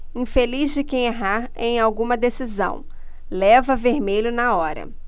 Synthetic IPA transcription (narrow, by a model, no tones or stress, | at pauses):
ĩfelizd͡ʒɪkẽj̃eɦaɾẽj̃awɡũmɐd̪esizɐ̰̃w̃ | lɛvɐveɾmeʎʊnɐɔɾɐ̰